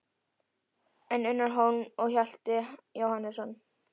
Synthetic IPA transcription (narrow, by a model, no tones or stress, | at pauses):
ɛnʏnːaɾɦownɔɣçal̥t̪ɪjowhanːɪsɔn